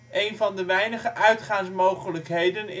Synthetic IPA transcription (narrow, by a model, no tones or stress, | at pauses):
ʔejnvɑndəʋɛjnəχəʔœɥtχaːŋsmowχələkɦejdənɪ